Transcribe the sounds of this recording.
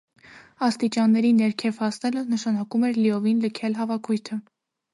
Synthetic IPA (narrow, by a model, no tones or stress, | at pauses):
ɑst̪it͡ʃɑnːɛɾinɛɾkʰɛvhɑsnɛlənəʃɑnɑkumɛɾliɔvinləkʰɛlɦɑvɑkʰujt̪ʰə